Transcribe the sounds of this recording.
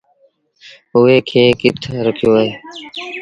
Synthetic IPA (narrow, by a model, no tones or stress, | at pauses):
ʊeːkʰeːkɪt̪ʰɾəkʰjoːeː